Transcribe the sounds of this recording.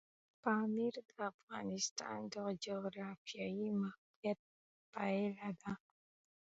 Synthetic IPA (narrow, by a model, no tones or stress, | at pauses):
pamiɾdafɣa̰nista̰ndɔkd͡ʒɔɾafjajima | ɛt̚ | paɛlada